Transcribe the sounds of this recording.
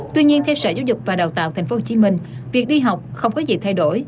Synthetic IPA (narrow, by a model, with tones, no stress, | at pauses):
t̪wi˧ɲi˧ənt̪ʰɛ˧wsəː˧˩zaː˨˦zʊ˨˩k͡p̚vaː˨˩ɗa˨˩wt̪a̰ː˧˨wt̪ʰjŋ̟fo˦ho˨˩t͡ɕi˨˧˦mï˧˩ŋ̟vi˨˩ək̚ɗi˧ɦa˨˩wk͡p̚xə˧wŋ͡mkɔ˨˦zḭ˨˩t̪ʰa˧jɗo˧˩j